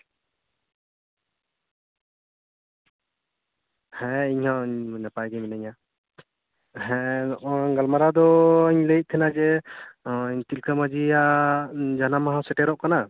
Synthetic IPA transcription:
hɛ̃iɲhawɲnapajɡɛmɛnaɲa | ɦɛ̃ | ɡalmaɾad̪ɔiɲlejt̚t̪ʰɛnad͡ʒɛ | iɲt̪ilkʰəmad͡ʒija | d͡ʒanamaɦawsɛʈɛɾɔʔkana

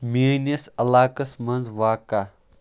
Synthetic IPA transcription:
minʲɐsɐlaːkɐsmɐnzʋaːka

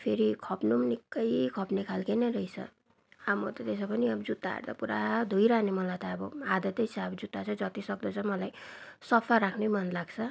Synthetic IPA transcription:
pʰeɾikʰʌpnumnikːʌjkʰʌpnekʰalkenʌɾʌjt͡sʰʌ̰ | amʌt̪ʌt̪esʌpʌniʌbʌd͡zut̪ːa̰ːrd̪a̰puɾad̪ʱujɾanemʌlajt̪ʌːbʌad̪ʌt̪ʌjt͡sʰʌʌbʌd͡zut̪ːat͡sʰʌd͡zʌt̪isʌk̚d̪ʌt͡sʰʌmʌlajsʌpʰaɾakʰnemʌnlaɡt͡sʰʌ

